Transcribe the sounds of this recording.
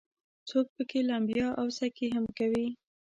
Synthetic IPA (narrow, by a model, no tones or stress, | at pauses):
t͡sok̚pəkelambjɑʔawsakeɦamkawi